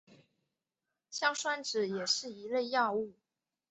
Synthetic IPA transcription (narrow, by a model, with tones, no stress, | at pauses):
ɕjɑ˥˩ŋʂwa˥nʈ͡ʂɻ̩˨˩˦jɛ˨˩ʂɻ̩˥˩i˧˥le˥˧ɪjɑ˥˧ʊu˥˩